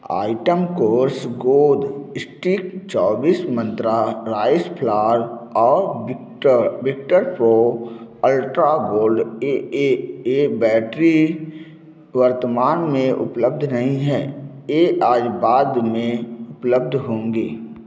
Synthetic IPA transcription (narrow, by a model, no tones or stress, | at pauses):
a̰ːɪʈəmkoːɾsɡoːd̪ɪsʈiːkt͡ʃɔːbiːsmə̃nt̪ɾaɾaːɪspʰlaːəɾɔː | bɪk̚ʈəɾpɾoəlʈɾaɡoːlɖeeebɛːʈɾi | ʋəɾt̪əmaːnmẽʔʊ̰pləb̚d̪ʱnəɦĩɦɛːjeʔaːd͡ʒbaːd̪mẽʊpləb̚d̪ʱɦõːŋɡeː